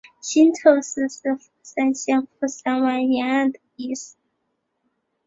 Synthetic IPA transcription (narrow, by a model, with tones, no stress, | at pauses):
ɕi˥nt̪ʰo˧˥ʊʂɹ̩˥˧ʂɻ̩˥˧fu̥˥˩sa˥nɕjɑ˥˧ŋfu˥˩sa˥nwa˧˥nɥɛ˧˥na˥˩nd̪ə˩i˥˩s̩˩